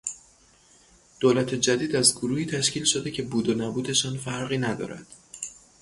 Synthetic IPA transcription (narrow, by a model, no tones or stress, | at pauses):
d̪̥oːlæt̪ʰe̞d͡ʒæd̪iːd̪æzɡoɾuːhiːt̪ʰæʃciːlʃo̞d̪ecʰe̞buːd̪onæbuːd̪e̞ʃɒːnfæɾɣiːnæd̪ɒ̰ːɾæ̰d̪̥